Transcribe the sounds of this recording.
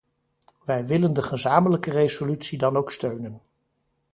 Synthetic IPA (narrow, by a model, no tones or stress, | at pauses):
ʋɛjʋɪləndəχəzaːmələkərejzolytsidɑnowkstøɥnən